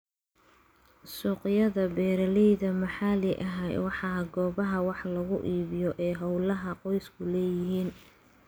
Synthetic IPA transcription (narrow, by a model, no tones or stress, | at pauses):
suːqɪjɐðɐbɛːɾɐlɛjðɐmɐħɑːlɪʔɐɦɛjwɑħɑːɡɔːβɐɦɐwɑħlɐɣʊʔiːβɪjɔʔɛːɦɐwlɐɦɐqɔjskʰʊlɛːjɪɦiːn